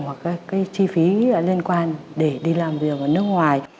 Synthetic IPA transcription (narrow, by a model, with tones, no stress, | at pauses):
ha˨˩kaː˨˦jkaː˨˦jt͡ɕi˧fi˨˦˧li˧ənkwaː˧nɗe˧˩ɗi˧laː˨˩mvi˨˩ək̚ʔəː˧˩nɨ˦˥ək̚ŋwaː˨˩j